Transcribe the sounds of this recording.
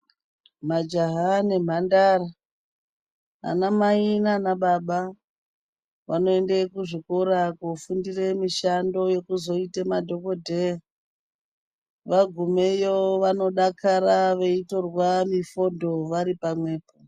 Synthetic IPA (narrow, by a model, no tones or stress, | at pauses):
mad͡ʒaɦane̞m̤andaːra | a̰namainanaɓaɓa | ʋano̞endekuʐikoɾakofundire̞miʃando̞je̞kuzo̞itemadʱo̞kodʱea | ʋaɡʱumejoʋano̞ɗakʰaɾaʋe̞ito̞rwamifo̞ndʱo̞ʋaɾipamwe̞ːpo